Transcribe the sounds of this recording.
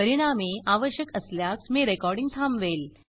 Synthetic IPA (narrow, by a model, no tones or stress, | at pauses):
pəɾiɽ̃ameʔaʋəɕjəkəsljaksmiɾekɔɾɖiŋɡ̚t̪ʰamʋel